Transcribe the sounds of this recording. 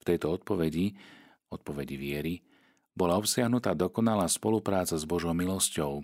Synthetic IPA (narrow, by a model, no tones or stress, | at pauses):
ft̪ɛjt̪ɔɔt̪̚pɔʋɛɟi | ɔt̪̚pɔʋɛɟiʋɪɛɾi | bɔlaɔpsɪaɦnut̪aːd̪ɔkɔnalaːspɔlupɾaːt͡sazbɔʒɔʊmilɔscɔʊ